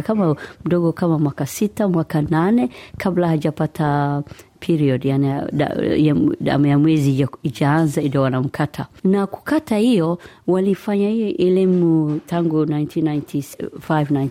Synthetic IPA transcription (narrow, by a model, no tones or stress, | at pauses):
kamam̩ɗɔɡɔkamamwakasitamwakananɛkʰablahaʄapatʰapʰiɾiɔdjania̰ | a̰majamwɛziiʄaanzaidawanam̩kʰatʰanaku̥katahijɔ | walifaɲaʔɛlimutʰaŋɡunajntʰinajntʰisfajvnajn